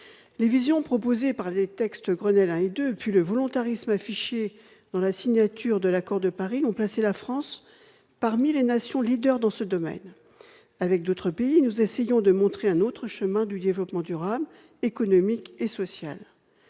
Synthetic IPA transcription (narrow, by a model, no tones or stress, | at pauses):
levizjɔ̃pχɔpozepaʁlet̪ɛkst̪ɡʁənɛlɛ̃ed̪øpɥiləvɔlɔ̃t̪aʁismafiʃe | d̪̥ɑ̃lasiɲat̪yʁd̪əlakɔʁd̪əpaʁiɔ̃plaselafχɑ̃s | paʁmilenasjɔ̃lid̪œʁd̪ɑ̃səd̪ɔmɛ̰n | avɛk̚d̪ot̪χəpeinuzesejɔ̃d̪əmɔ̃t̪χeɛ̃not̪χəʃəmɛ̃d̪yd̪evlɔpmɑ̃d̪yʁabl | ekɔnɔmikesɔsja̰l